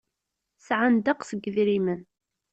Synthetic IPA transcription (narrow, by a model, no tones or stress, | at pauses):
sʕand̪aqsəɡːðɾimən